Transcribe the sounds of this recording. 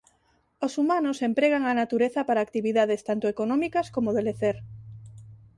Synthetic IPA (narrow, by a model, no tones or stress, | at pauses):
osumanosempɾeɣ̞aŋanat̪uɾeθapaɾaːk̚t̪iβiðað̞est̪ant̪oekonɔ̃mikaskomoðeleθeɾ